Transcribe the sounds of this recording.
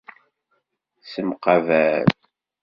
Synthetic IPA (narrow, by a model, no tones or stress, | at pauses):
səmqɑvæɾ